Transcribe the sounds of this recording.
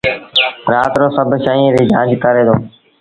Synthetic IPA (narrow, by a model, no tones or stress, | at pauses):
ɾaːt̪ɾõːsəbʱʃaːĩɾiːd͡ʒãːd͡ʒkəɾeːd̪õː